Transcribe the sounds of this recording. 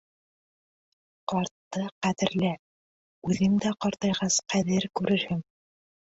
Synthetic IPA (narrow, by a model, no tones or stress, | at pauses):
qɑɾt̪ːɤqæðɘ̆ɾlæ | ʉðɘŋd̪æqɑɾt̪ɑjʁɑsqæðɘɾkʉɾɘ̆ɾhɘŋ